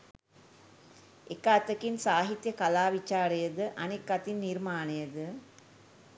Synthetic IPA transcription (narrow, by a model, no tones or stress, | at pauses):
ekəat̪əkinsaːɦit̪jəkalaːʋit͡ʃaːɾəjəd̪əʔanekːat̪inːirmaːnəjəd̪ə